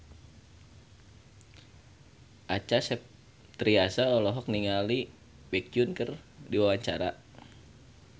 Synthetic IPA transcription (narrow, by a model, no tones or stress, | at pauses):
ʔat͡ʃasɛp̚ | t̪ɾiasaɔlɔɦɔk̚niŋali | bɛk̚iʊnkərdiwawaɲt͡ʃa̰ɾa